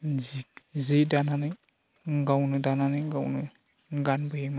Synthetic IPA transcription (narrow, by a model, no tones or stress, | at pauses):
zzidananɯ | ɡawnɯdananɯɡawnɯ | ɡanbɯjima